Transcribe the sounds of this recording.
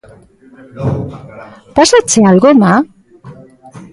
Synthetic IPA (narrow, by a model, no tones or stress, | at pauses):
pasat͡sealɣoema